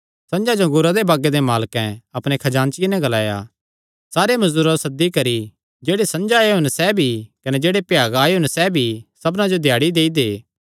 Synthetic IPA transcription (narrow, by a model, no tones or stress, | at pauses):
sɐ̃nd͡ʒad͡ʒoɡʊɾad̪ebaːɡed̪emaːlkɛ̃ɐpɽ̃ekʰɐd͡ʒãːnt͡ʃɪjenɛ̃ɡɐlaːja̰ | saːɾemɐzd̪uːɾasɐd̪ːikɐɾi | d͡ʒeːɽesɐ̃nd͡ʒaːeɦʊ̃nsɛbʱikɐnɛd͡ʒeːɽepjaːɡaːeɦʊ̃nsɛbʱisɐbnãd͡ʒod̪ʱjaːɽid̪eːid̪eː